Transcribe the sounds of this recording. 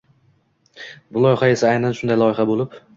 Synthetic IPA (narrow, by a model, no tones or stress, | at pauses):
bʊlˠɒjɪχae̞saajnanʃʊnd̪ajlˠɒjɪχabolɪp